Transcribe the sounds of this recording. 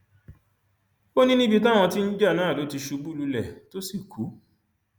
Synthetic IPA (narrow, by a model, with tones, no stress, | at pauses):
o˦nĩ˦nĩ˦bi˧ta˦w̃ɔ̃˧ti˦n̩˦d͡ʒa˦˨nãː˨˦˨lo˨˦ti˧ʃu˨˧bu˦lu˧lɛ˨to˦si˦˨kʰu˨˦